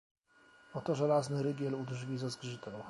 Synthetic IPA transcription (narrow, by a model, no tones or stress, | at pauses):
ɔt̪ɔʐɛlaznɘɾɘɡʲjɛlud̪ʐvʲizɛzɡʐɘt̪ɛw̃